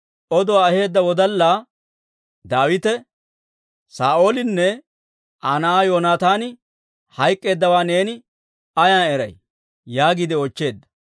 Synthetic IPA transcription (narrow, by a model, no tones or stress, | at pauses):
ʔɔd̪ɔwaːɐhe̞ːd̪ːɐwɔd̪ɐlːaː | d̪aːwɪt̪ɛ | saːʔo̞ːlɪnːɛ | ʔanɐaːjoːnaːt̪aːnɪ | hɐjkʼːe̞ːd̪ːɐwaːne̞ːnɪ | ɐjaːnɛɾɐ̰j | jaːɡɪd̪ɪɔt͡ʃːe̞ːd̪ːɐ̥